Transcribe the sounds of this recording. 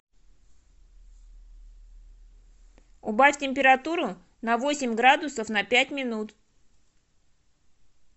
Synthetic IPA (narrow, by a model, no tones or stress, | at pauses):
ʊbafʲtʲɪmʲpʲɪɾɐt̪uɾʊ | nɐvo̞sʲɪmʲɡɾad̪ʊsəfnɐpʲætʲmʲɪnut̪